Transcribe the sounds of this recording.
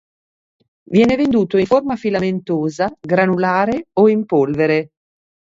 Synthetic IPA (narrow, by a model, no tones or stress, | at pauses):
vjɛːnevend̪uːt̪oiformafilament̪oːzaɡɾanulaːɾeoimpolveɾe